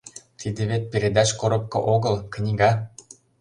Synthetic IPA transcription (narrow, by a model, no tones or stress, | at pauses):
t̪ʰid̪ĕβet̪̚pʲeɾʲed̪ɑt͡ɕkoɾɤ̆p̚kɤ̆ʔoɣɤ̆lknʲiɡɑ